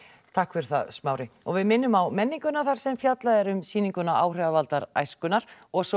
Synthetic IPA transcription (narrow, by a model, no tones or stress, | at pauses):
t̪ʰahkfɛɾ̥θaðsmaːwɾɪɔɣvɪðmɪnːʏmawmɛnːiŋkʏnaθaɾ̥sɛmfjat̪laðɛɾʏmsiːniŋkʏnaʔaːwr̥ɛavalt̪aɾa̰jskʏnaɾ̥ɔɣsɔ